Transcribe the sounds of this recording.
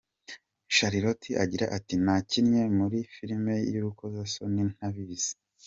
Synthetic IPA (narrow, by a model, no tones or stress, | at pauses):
ʃaɾiɾotʰiʔaɟiɾa̰ʔatinacinɲe̞muɾifiɾime̞juɾukozasonin̥aβiβize̥